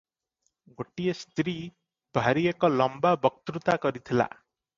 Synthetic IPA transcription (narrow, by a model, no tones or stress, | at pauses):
ɡoʈijest̪ɾi | bʱaɾiekɔlɔmbabɔk̚t̪ɾut̪akɔɾit̪ʰila̰